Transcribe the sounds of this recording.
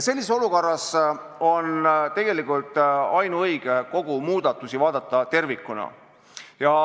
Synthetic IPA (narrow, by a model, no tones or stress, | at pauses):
se̞lʲːiseo̞luko̞rːɑs | o̞nt̪e̞ɡ̥e̞likˑult̪ˑɑjnuɤjɡ̥eko̞ɡ̥umuːd̪̥ɑt̪ːˑusivɑːd̪ɑt̪ːˑɑt̪e̞rvikːˑunɑ̰ | jɑ